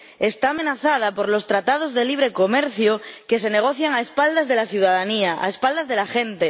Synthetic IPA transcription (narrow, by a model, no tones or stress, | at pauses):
e̞st̪aːmenaθað̞apo̞ɾlo̞st̪ɾat̪að̞o̞zðe̞liβ̞ɾe̞ko̞meɾθjoke̞s̬e̞ne̞ɣ̞o̞θjaŋaespald̪azðe̞laθjuð̞aðaniaʔa̰espald̪azðe̞laxent̪e̞